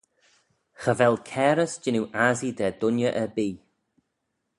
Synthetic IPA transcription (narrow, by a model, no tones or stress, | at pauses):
xəvɛlˠkʰɛːɾəsd͡ʒɪnuʔazid̪ɛːd̪ʊnjəʔəbiː